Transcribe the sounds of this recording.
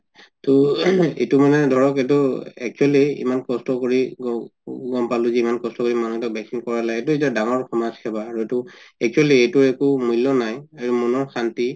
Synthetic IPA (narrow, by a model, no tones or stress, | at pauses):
tɔḛtumanɛdʱɔɹɔketuɛ̰k̚t͡ʃualiḭmankɔstɔkoɹiɡɡɔmpalʊzɛimankɔstɔkoɹimanuɛtɔk̚bɛksiŋkɔɹalajetuitadaŋɔɹxɔmazkʰɛbaːɹuetʊɛk̚t͡ʃualiejtʊɹɛkumujlːɔnajaɹumɔnɔɹxanti